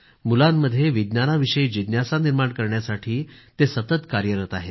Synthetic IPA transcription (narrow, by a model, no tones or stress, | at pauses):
mulamːəd̪ʱːjeʋid̪njanaʋiɕəid͡ʑid̪njasaniɾmaɳkəɾɳjasaʈʰiːt̪esət̪ət̪kaɾjəɾət̪aɦe